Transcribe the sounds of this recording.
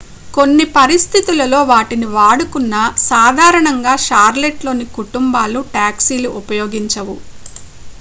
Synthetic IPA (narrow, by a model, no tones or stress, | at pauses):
ko̞nːipɐɾist̪ʰit̪ulɐlo̞ːʋaːʈiniʋaːɽukunːɐsaːd̪ʱaːɾɐɳɐŋɡaːʃaːɾleʈlo̞ːnikuʈumbaːluʈaːksiːluʔupɐjoːɡiɲt͡ʃɐʋu